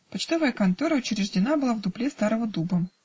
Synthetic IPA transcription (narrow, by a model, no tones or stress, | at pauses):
pɐt͡ɕt̪o̞vəjəkɐnt̪oɾəʊt͡ɕɪɾʲɪʐdʲɪnabɨlˠavd̪ʊplʲest̪aɾəvəd̪ubə